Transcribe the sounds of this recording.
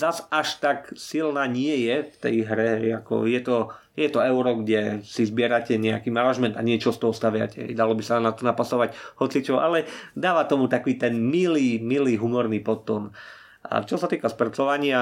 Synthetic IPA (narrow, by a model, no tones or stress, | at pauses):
zazʔaʃt̪aksilnaːɲɪɛjɛft̪ɛ̰jɦɾɛɦɛjakɔ̰jɛt̪ɔ | jɛt̪ɔɛʊɾɔɡɟɛsizbɪɛɾacɛɲɛakiːmanaʒmɛnt̪aɲɪɛt͡ʃɔst̪ɔɦɔst̪aʋɪa̰cɛɦɛ̰jd̪alɔbisanat̪ɔnapasɔʋaɟhɔt͡sit͡ʃɔʔalɛd̪aːʋat̪ɔmut̪akʋiːt̪ɛnmiliːmiliːɦumɔɾniːpɔt̪ɔn | ʔa̰t͡ʃɔsat̪iːkaspɾat͡sɔʋaɲɪa